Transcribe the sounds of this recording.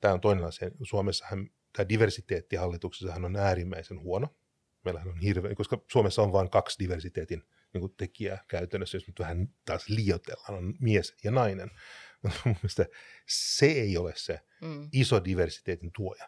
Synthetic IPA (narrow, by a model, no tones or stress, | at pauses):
t̪æːont̪oinenɑsiɑnisuomesːɑ̥hɑn | t̪æːdiʋersit̪eːt̪ːihɑlːit̪ukse̥sːɑhænonæːrimːæisenhuono | meilæhænonhirʋeːkoskɑsuomesːɑonʋɑːŋkɑksdiʋersit̪eːt̪in | niːŋkut̪ekiæ̰kæyt̪ænːøsːæjosnyt̪ʋæhænt̪ɑːsliːot̪ḛlːɑnonmiesjɑnɑinenut̪umːeest̪ɑseeiolesse | isodiʋersi̥t̪eːt̪int̪uojɑ